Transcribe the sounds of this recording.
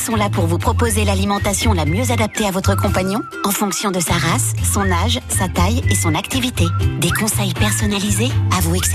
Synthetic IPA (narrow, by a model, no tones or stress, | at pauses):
sɔ̃lapuʁvupχɔpozelalimɑ̃t̪asjɔ̃lamjøzad̪ap̚t̪eavɔt̪χəkɔ̃paɲɔ̃ | ɑ̃fɔ̃ksjɔ̃d̪əsaʁasːɔ̃naʒsat̪ajesɔ̃nakt̪ivit̪ed̪ekɔ̃sɛjpɛʁsɔnalizeavuɛks